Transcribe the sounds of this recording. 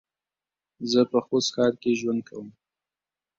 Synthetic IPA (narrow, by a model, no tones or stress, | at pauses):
zəpəxosxɑɾkeʒwand̪̚kʰawəm